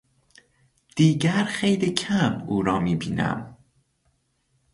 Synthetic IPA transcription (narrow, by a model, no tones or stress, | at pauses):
d̪̥iːɟæɾxejliːcʰæmuːɾɒːmiːbḭːnæ̰m